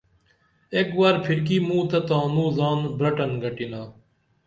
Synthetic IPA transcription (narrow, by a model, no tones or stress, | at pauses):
eːkʋaːɾpʰɪɾk̬iːmũːt̪ɐt̪ãːnũːzaːnbɾəʈənɡʱəʈiːnaː